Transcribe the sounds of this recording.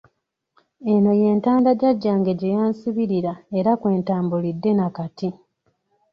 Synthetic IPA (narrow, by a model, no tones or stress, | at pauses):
e̞no̞je̞ːntaːndaɟaɟːaːŋɡe̞ɟejaːnsiβiɾiɾae̞ɾakwe̞ːntaːmbulidːe̞nakati